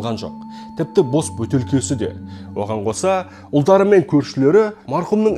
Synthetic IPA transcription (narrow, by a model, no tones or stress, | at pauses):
ʁɑnʒo̞̰q̚ | t̪ʰɪp̚t̪ɪbo̞sbɵt̪e̞lkʲe̞sɪd̪e̞̰wʔo̞̰ʁɑɴqʰo̞sɑ | ʊlˠd̪ɑɾəme̞ŋkʲʰɵɾʃɪle̞ɾɪmɑɾqʊumnəɴ